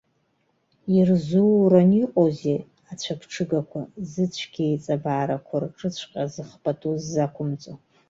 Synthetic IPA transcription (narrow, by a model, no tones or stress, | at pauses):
irzuraniqʷʼoze | at͡ɕʷʰapʰʈ͡ʂʰɨɡakʷʰa̰zɨt͡ɕʷʰɡ̥ʲejt͡sʼabaːɾakʷʰarʈ͡ʂʼɨt͡ɕʷʰqʼazɨχpʼatʼuzːakʷʰʊmt͡sʼo